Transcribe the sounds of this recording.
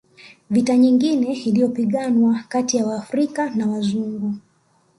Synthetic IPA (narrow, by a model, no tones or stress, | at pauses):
vitaɲiŋɡinɛilijɔpiɠanwakatijawaːfɾikanawazuŋɡu